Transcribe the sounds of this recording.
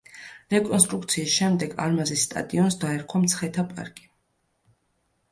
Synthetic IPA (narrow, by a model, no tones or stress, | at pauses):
ɾɛkʼɔnst̪ʼɾuk̚ʰt̪sʰiːsʃɛmd̪ɛɡa̰ɾmazisːt̪ʼa̰d̪ʼiɔnsd̪aɛɾkʰwamt̪sʰχɛt̪ʰapʼa̰ɾkʼi̥